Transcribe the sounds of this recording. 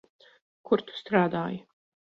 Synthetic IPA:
kʰuɾt̪u̥st̪ɾaːd̪aːj

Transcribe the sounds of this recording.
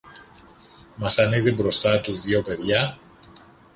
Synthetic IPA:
masaneðebɾost̪at̪uðjopeðja

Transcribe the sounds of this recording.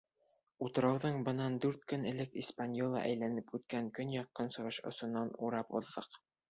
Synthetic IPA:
ut̪ɤ̆ɾɑwðɤɴbɤ̆nɑnd̪ʉɾt̪kɵnɘ̆lɘkispanʲjolˠɑ̰ʔæ̰jlænɘpʉt̪̚kæŋkɵnjɑqːɤnsɤ̆ʁɤʃŏ̰sŏnːɑnuɾɑpṵ̆ðːɤq

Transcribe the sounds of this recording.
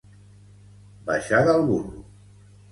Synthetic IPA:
ba̰ʃaðalˠβurṵ

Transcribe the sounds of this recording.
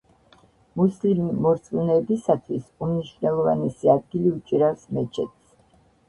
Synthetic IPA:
muslimimɔɾt̪sʼunɛːbisat̪ʰwisumniʃvnɛlˠɔvanɛsiad̪̚ɡiliut͡ʃʼiɾafsmɛt͡ʃʰɛ̰t̪s

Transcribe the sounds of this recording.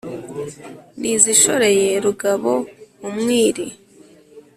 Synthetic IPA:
nʔiziʃo̞ɾe̞je̞ɾuɡaβo̞umŋiːɾi

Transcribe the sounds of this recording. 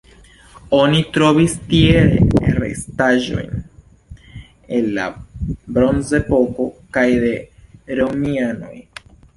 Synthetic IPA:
o̞nitɾo̞vistieɾḛaɾe̞̰staʒo̞̰jn | enla̰bɾo̞nze̞po̞ko̞kajde̞ɾomiano̞j

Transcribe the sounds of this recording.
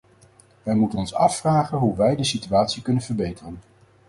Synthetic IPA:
ʋɛjmutənɔnsɑfːraːχənɦuʋɛjdəsityaːtsikɵnənvəɹbejtərən

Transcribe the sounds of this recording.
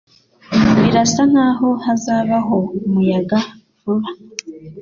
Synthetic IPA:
wiɾasan̥aːɦo̞hazaːβaɦo̞mujaɡa | vuβa

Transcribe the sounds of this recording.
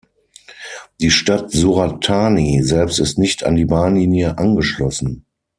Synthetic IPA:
d̥iːʃtatzuʁatʰaːnizɛlpstɪstnɪçtʰa̰ndiːbaːnliːnjəʔanɡəʃlɔsn̩

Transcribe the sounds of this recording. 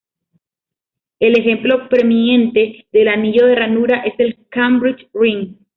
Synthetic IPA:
e̞le̞xe̞mplo̞pɾemine̞nt̪e̞ðe̞laniʝo̞ðe̞ranuɾaʔe̞se̞lkambɾit͡ʃriŋ

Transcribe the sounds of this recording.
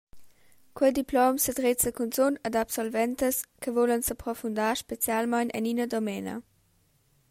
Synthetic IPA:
kwəjdiplɔmsədʁet͡səkunt͡sonədapsɔlvɛntəskəvolənsapʁɔfundaːʃpet͡sjalmajnʔɛ̰ninədɔmɛnə̰

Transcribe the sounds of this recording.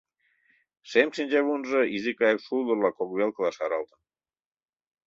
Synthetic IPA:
ʃemʃinʲd͡ʑeβunʒɤ̆izikɑjkʃulˠərlɑkokβelkə̆lˠɑʃɑɾɑlt̪ə̆n

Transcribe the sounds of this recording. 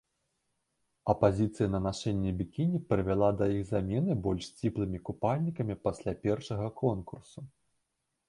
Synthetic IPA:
ɐpazʲit̪sɨjɐnɐnaʂɛnʲːɛbʲikʲinʲipɾɨvʲalˠad̪ɐjiɣzamʲɛnɨbɔlʲʂst͡sʲiplˠɨmʲikupalʲnʲikɐmʲipasʲlʲapʲɛrʂɐɣɐkʰɔnkursu

